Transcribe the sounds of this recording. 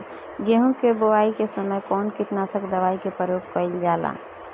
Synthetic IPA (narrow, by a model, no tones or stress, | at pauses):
ɡeɦũkebowaːikesəməjkɔːnkɪt̪nasəkd̪əʋaːikepəɾjoːp̚kəɪld͡ʒaːla̰ː